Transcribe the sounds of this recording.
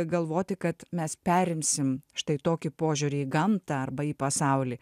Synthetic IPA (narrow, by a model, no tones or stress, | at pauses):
ɡɐlˠʋoːt̪ʲɪkɐt̪mʲɛspʲæːɾʲɪmʲsʲɪmʃt̪ɐɪt̪oːkʲɪpoːʒʲʊɾʲɪːɡɐmt̪ɑɐrbɐiːpɐsɑʊlʲiː